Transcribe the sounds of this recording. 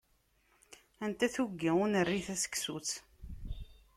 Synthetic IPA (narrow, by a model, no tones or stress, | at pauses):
ænt̪æθuɡːiʊnərːiθæsə̥kːsut͡s